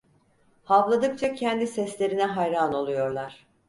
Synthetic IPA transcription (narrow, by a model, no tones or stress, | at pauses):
havlˠad̪ɯkt͡ʃʰacʰɛnd̪isɛslʲe̞ɾinɛɦajɾaːno̞lˠujo̞ɾlˠaɾ̥